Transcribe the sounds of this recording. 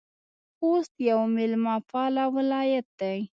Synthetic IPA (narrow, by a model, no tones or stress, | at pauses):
xost̪jawmɪlmapɑlawɪlɑjat̪̚d̪aj